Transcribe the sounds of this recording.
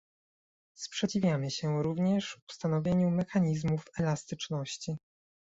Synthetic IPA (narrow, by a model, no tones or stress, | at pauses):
spʂɛt͡ɕivʲjamɘɕɛɾuvɲɛʂu̥st̪anɔvʲjeɲumɛxaɲizmufɛlast̪ɘt͡ʂnɔɕt͡ɕi